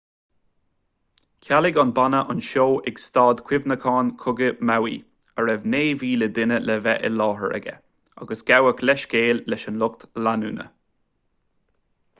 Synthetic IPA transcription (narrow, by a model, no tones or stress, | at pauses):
kʰalɪɡɔnbanəʔʊnʃoːʔɛɡst̪ɑːd̪kʰwɪvnəkʰɑːnkʰʊɡəmawi | əɹɛvneːviːləd̪ɪnəlɛvɛ̰ʔɪlɑːɦə̰ɹɛ̰ɡɛ̰ | a̰ɡəsɡ̥awəkʰlɛʃɡeːlːɛʃənlʊk̚t̪lanṵːnə̰